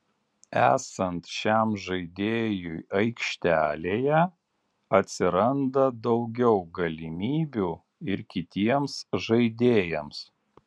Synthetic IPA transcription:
æ̰ːsɐnt̪ʃʲæˑmʒɐɪd̪ʲeːjujɐɪkʃʲt̪ʲæːlʲeːjɛ | ɐt̪ʲsʲɪɾɐnd̪ɐd̪ɒʊɡʲɛʊɡɐlʲɪmʲiːbʲuː | ɪɾkʲɪt̪ʲiɛmsʒɐɪd̪ʲeːjɛms

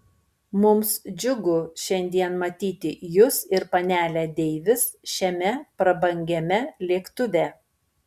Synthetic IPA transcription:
mʊmsd͡ʒʲʊɡʊʃʲɛnʲd̪ʲiɛnmɐt̪ʲiːt̪ʲɪjʊsɪɾpɐnʲæːlʲæːd̪ʲɛɪʋʲɪsʃʲɛmʲɛpɾɐbɐŋʲɡʲɛmʲɛlʲiɛkt̪ʊʋʲɛː

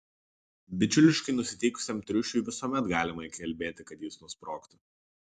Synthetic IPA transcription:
bʲɪt͡ʃʲʊlʲɪʃkɐɪnʊsʲɪt̪ʲɛɪkʊ̥sʲɛmt̪ʲɾʲʊʃʲuɪʋʲɪsuɔmʲɛt̪ɡɑːlʲɪmɐikʲɛlʲbʲeːt̪ʲɪkɐt̪jiːsnʊɔspɾoːkt̪ʊ

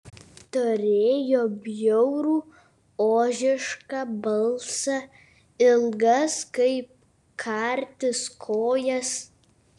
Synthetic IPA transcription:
t̪oɾʲeːjoːbʲjɔʊɾuː | oːʒʲɪʃkɑbɐlˠsɐ | ɪlˠɡɐskɐɪp̚ | kʰɑɾʲt̪ʲɪskʰoːjɛs

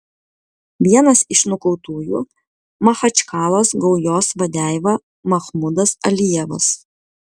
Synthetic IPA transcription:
ʋʲiɛnɐsɪʃnʊkɔʊt̪uːjṵː | mɐxɐt͡ʃʲkɑːlˠoːsɡɒʊjoːsʋɐd̪ʲæˑɪʋɐ | mɐxmʊd̪ɐsɐlʲijɛʋɐ̰s

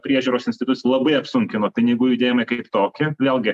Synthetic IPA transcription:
pʲɾʲiɛʒʲuːɾoːsɪnsʲt̪ʲɪt̪ʊt͡s̪ʲlˠɐbɐɪɐpsʊŋʲkʲɪnoːt̪ɐɪnʲɛɪɡʊjud̪ʲeːjɛmɐɪkɐɪpt̪oːkʲɪʋʲeːlˠɡʲɪ

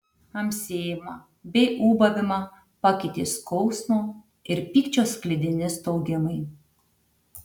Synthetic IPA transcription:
ɐmʲsʲeːjɪmɐ | bʲɛɪʔuːbɐʋʲɪmɐ | pɐkʲɪt̪ʲeːskɔʊsmoː | ɪɾpʲiːkt͡ʃʲoːsklʲɪd̪ʲɪnʲɪst̪ɔʊɡʲɪmɐɪ

